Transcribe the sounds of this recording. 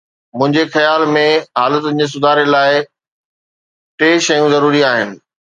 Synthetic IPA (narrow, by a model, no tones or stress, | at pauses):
mʊ̃ɦɪ̃ɲd͡ʑexɐjaːlmẽɦaːlət̪̬ʊd͡ʑeːs̬ʊd̪ʱaːɾelaːɪ | ʈeːʃɐjũzɐɾuːɾiaːɦɪnɪ̆